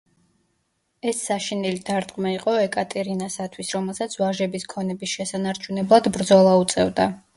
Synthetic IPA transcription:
ɛsːaʃinilid̪̥aɾt̪ʼqʼmaiqʼɔɛkʼat̪ʼɛɾinasat̪ʰwisɾɔmɛlˠsat̪sʰvaʒɛbiskʰɔnɛbisʃɛsanaɾt͡ʃʰunɛblˠad̪bɾd̪zɔlˠaut̪sʼɛvd̪a

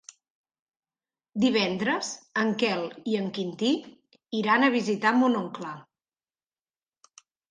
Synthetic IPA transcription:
d̪iβ̞ɛnd̪ɾəzəŋkɛlˠiəŋkint̪i | iɾanəβ̞izit̪amunoŋkla

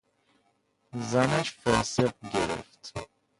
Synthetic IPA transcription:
zanat͡ʃfɔːseq̚ɡeɾḛft̪

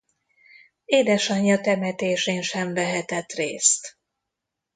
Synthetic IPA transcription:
eːd̪ɛʃɒɲːɒt̪ɛmɛt̪eːʃeːnʃɛɱvɛɦɛt̪ɛt̪reːst̪

